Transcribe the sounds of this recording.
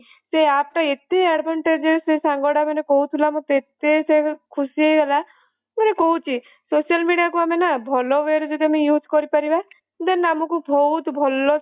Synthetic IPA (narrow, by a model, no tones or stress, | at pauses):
seapʈaet̪eaɽbʱɔɳʈed͡ʒesesãŋɡɔɽamanekɔɦut̪ʰilamũt̪et̪esekʰusiɦejɡela | manekɔɦut͡ʃʰi | sosialmiɽiakuamenabʱɔlɔʋeɾd͡ʒɔd̪iamejud͡ʒkɔɾipaɾiba | d̪anamɔ̃kubʱɔut̪bʱɔlɔ